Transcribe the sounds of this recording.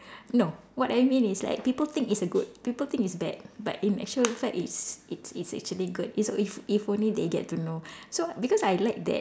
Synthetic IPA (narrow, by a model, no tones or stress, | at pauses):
no | wɔtajmĩnisla̰ɪk̚pipəlt̪ɪ̃ŋkitsəɡud̚pipəlt̪ɪ̃ŋitsbɛ̰d̚ba̰tĩnɛ̰k̚t͡ʃuəlfɛkitsitsitsɛ̰k̚t͡ʃuəliɡud̚isɔififõnlideɡɛ̰tːunosobikɔsajlaɪk̚d̪ɛ̰t̚